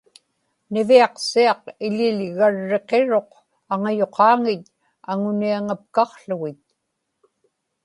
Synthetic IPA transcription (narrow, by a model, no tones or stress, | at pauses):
nɪviɑqsiɑqɪʎɪlɣaɻːe̞qe̞ɻo̞q | aŋajoqʰɑːŋɪt̪ | aŋʊniaŋap̚kɑχɬʊɣɪt̪̚